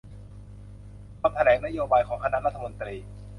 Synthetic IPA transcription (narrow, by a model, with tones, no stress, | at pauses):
aː˧mt̪ʰa˧nɛː˩˦ŋna˥joː˧baː˧jkʰɔː˩˦ŋkʰa˧na˦˥ʔɾa˦˥t̪ʰːa˧mo˧nt̪ɾiː˧